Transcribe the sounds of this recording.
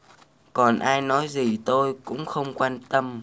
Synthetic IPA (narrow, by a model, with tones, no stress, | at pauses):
kɔ˨˩nʔaː˧jnɔ˨˦jzi˨˩t̪o˧jkʊ̰˧˥ŋ͡mxə˧wŋ͡mkwaː˧nt̪ə˧m